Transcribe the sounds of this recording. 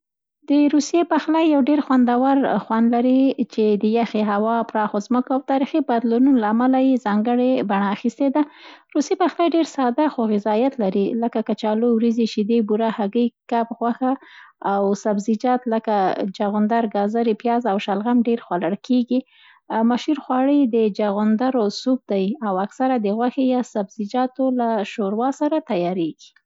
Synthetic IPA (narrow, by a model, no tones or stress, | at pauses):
d̪əɾusjepaxlajːawɖeɾxwand̪awaɾxwand̪laɾit͡ʃed̪əjaxeɦawɑpɾɑxozməkoawt̪ɑɾixibad̪lununolaːmalajezɑŋɡəɽebaɳaːxist̪ed̪aɾusepaxlajɖeɾsɑd̪axoɣɪzɑjat̪laɾiləkakat͡ʃɑlowɾiziʃid̪ebuɾahaɡəjkapɣwaxaːwsabzid͡ʒɑt̪ləkad͡ʒaɣʊnd̪aɾɡɑzaɾepjɑzawʃalɣamɖeɾxwalaɽkʰeɡi | maʃuɾxwɑɽəjd̪əd͡ʒaɣʊnd̪aɾosub̚d̪ajawaksaɾad̪əɣwaxejɑsabz̥id͡ʒɑt̪olaʃoɾwɑsaɾat̪ajɑɾeɡ̥i̥